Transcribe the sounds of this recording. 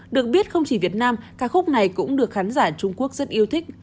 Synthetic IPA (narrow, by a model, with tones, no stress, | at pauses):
ɗɨ˨˩ək̚ɓi˦˥ət̚xə˧wŋ͡mt͡ɕi˧˩vi˨˩ət̚naː˧mkaː˦˥kxʊ˦˥k͡p̚na˨˩jkʊ̰˧˥ŋ͡mɗɨ˨˩ək̚xaː˨˦nzaː˧˩t͡ɕʊ˧ŋ͡mku˦˥ək̚z̥ə˦˥t̚ʔi˧əwt̪ʰï˦˥k̟̚